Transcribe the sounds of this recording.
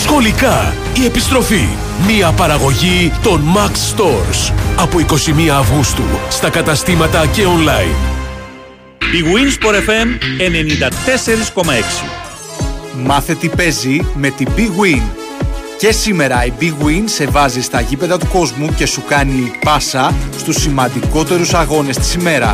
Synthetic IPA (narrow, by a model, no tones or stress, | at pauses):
sxo̞likɐ | ie̞pist̪ɾo̞fi | miɐpɐɾɐɣo̞ʝit̪o̞nmɐksːt̪o̞ɾsɐpoiko̞simiɐːvɣust̪ṵst̪ɐkɐt̪ɐst̪imɐt̪ɐce̞o̞nlɐḭn | biɣwinspoɾefemene̞nind̪ɐt̪e̞se̞ɾisko̞mɐe̞ksḭ | mɐθe̞t̪ipe̞zime̞t̪ibiɣwin | ce̞sime̞ɾɐibiɣwinse̞vɐzist̪ɐʝipe̞ðɐt̪uko̞zmuce̞sukɐnipɐsɐst̪usːimɐnd̪iko̞t̪e̞ɾusɐɣo̞ne̞st̪i̥sime̞ɾɐ̰